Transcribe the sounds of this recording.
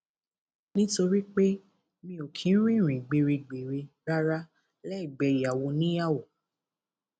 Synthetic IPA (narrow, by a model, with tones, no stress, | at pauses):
nĩ˦to˧ɾi˦k͡pe˦ | mĩ˧o˨kʰĩ˨˦ɾ̃ĩ˦˨ɾ̃ĩ˨ɡ͡be˨ɾe˧ɡ͡be˨ɾe˧ | ɾa˦ɾa˦ | lɛ˦i˦˨ɡ͡bɛ˧˨i˨a˨wo˧nĩ˨˦ja˦˨wo˨